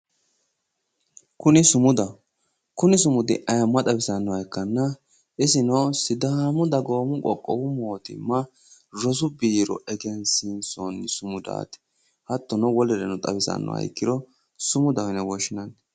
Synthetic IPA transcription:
kʊnɪsʊmʊd̪ɐ | kʊnɪsʊmʊd̪ɪ̰ʔɐjɐmːɐt̪ʼɐbɪsɐnːɔɐjkːɐnːɐ | ʔɪsɪnɐwsɪd̪ɐmʊd̪ɐɡo̞ːmʊkʼɔkʼːɔ̰wʊmoːt̪ɪ̰mɐ | ɾɔs̬ʊbiːɾɔ̰ɛɡɪɐnsɪnsɔnːɪsʊmʊd̪a̰ːt̪ɪ̥ | hɐt̪ːɔnɔwɔlɛɾɛnʊt̪ʼɐ̰bɪsɐ̰nːɔ̰wɐ̰jkːɪd̪ɔ | sʊmʊd̪ɐwɛnɛwɔʃɪnɐn

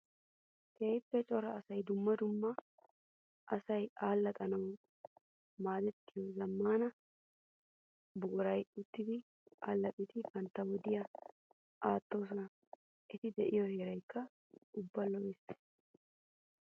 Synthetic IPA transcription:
keːjpːɛt͡ʃʼɔɾɐːsɐjd̪ʊmːɐd̪ʊmːɐ | ʔɐsɐjʔaːlːɐk̪ʼɐnɐw | maːd̪ɛt̪ːɪjɔzɐmːaːnɐ | bʊɡʊɾɐjʊt̪ːɪd̪ɪ | ʔaːlːɐpʼːɪt̪ɪbɐnt̪ːɐwɔd̪ɪjɐ | ʔaːt̪ːo̞ːs̬ɔnɐ | ʔɪt̪ɪd̪ɛʔɪjɔheːɾɐjkːɐ | ʊbːɐlɔwɛs

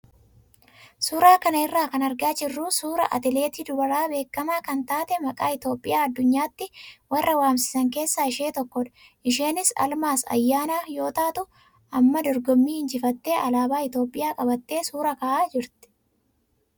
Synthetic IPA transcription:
suːɾaːkɐnɐɪrːaːkɐnɐɾɡaːd͡ʒɪrːuːsuːɾɐ̰ʔɐ̰t̪ɪle̞ːt̪iːd̪ʊbɐɾaːbe̞ːkːɐmaːkɐnt̪aːt̪ɛmɐkʼaːɪt̪o̞ːpʼːɪjaːɐd̪ːʊɲːaːt̪ːɪwɐrːɐwaːmsɪ̥sɐŋke̞ːsːaːɪʃe̞ːt̪ɔkːɔᶑɐ̥ | ʔɪʃe̞ːnɪsɐ̰lmaːsɐ̰jːaːnaːjo̞ːt̪aːt̪ʊ | ɐmːɐd̪ɔɾɡɔmːiːhɪnd͡ʒɪfɐt̪ːe̞ːʔɐlaːbaːɪt̪o̞ːpʼːɪjaːkʼɐbɐt̪ːe̞ːsuːɾɐkɐaːʔaːd͡ʒɪɾt̪ɪ̥

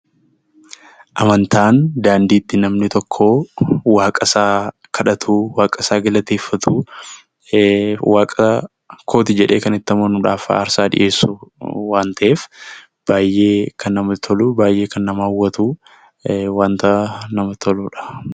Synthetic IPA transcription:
ʔɐmɐnt̪ʰaːnd̪aːnd̪iːt̪ːɪnɐmnɪt̪ɔkʰːoːwaːkʼɐsaː | kʰɐᶑɐt̪ʰuːwaːkʼɐsaːɡɪlɐt̪e̞ːfːɐt̪ʰu | waːkʼɐ | kʰo̞ːt̪ɪd͡ʒɛᶑe̞ːkɐnɪt̪ːɐmoːnʊᶑaːfa̰ːɾsaːᶑɪ̰ʔe̞ːsːʊwaːnt̪ɐʔeːf | b̥aːjʔːe̞ːkʰɐnːɐmɐt̪ʰɔluːbaːjʔe̞ːkɐnːɐmaːwːɐt̪uː | waːnt̪ɐnɐmɐt̪ʰɔluːᶑɐ̥

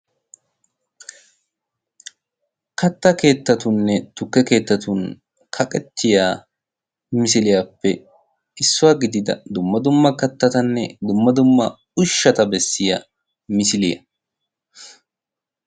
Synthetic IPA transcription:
kɐt̪ːɐke̞ːt̪ːɐt̪ʊnːɛt̪ʊkːɛke̞ːt̪ːɐt̪ʊn | kʰɐkʼɛt̪ʰːɪjaː | mɪs̬ɪlɪjaːpːɛ | ɪsːʊwaːɡɪd̪ɪd̪ɐ̰d̪ʊmːɐd̪ʊmːɐkɐt̪ːɐt̪ɐnːɛd̪ʊmːɐd̪ʊmːɐ | ʊʃːɐt̪ɐbɛsːɪjɐ̰ | mɪsɪlɪ̰jɐ̰

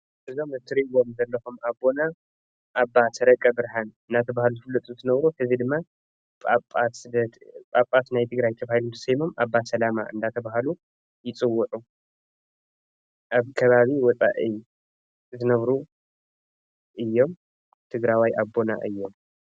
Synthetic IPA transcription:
ʔɨzo̞mɨt̪ʰːɨɾiβo̞mzɐlːɐxumabːo̞na | ʔːbːasʰɐɾɐkʼːɐbɨɾħanɨnat̪ʰɐβahaluzɨfɨlɨt̪ʼut̪ʰɨnɐβɾuħɨzid̪ɨmːa | pʼapʼat̪ɨd̪t̪pʼapʼat̪najt̪ʰɨɡɾajt̪ʰɐβahɨlunt̪ʰɐ̥sɐjmomabːasɐlama̰ʔɨ̰nd̪at̪ʰɐβaɦalu | jɪt͡sʼɨwːʊʕu | ʔaβkʰɐβaβiwɔt͡sʼa̰ʔi | zɨnɐβɾu | ʔɨjːo̞m | t̪ʰɨɡɾawajʔabːo̞na̰ʔɨjːo̞m

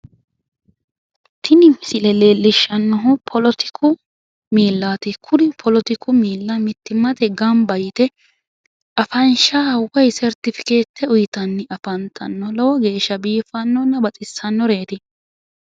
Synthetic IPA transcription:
t̪ʰɪnɪmɪsɪlɛle̞ːlːɪʃːɐnːɔɦʊpʰɔlɔt̪ɪ̥kʰʊ | miːlːaːt̪ɪkʰʊd̪ɪpʰɔlɔt̪ɪkʰʊmiːlːɐmɪt̪ːɪmɐt̪ɛɡɐmbɐjɪt̪ɛ | ɐfɐnʃawɐjsɛɾt̪ɪfɪ̥ke̞ːt̪ːɛʊjɪt̪ɐnːɪʔɐfɐnt̪ʰɐnːɔlɔwɔɡe̞ːʃːɐbiːfɐnːɔnːɐbɐt͡sʼɪsːɐnːɔɾe̞ːt̪ɪ

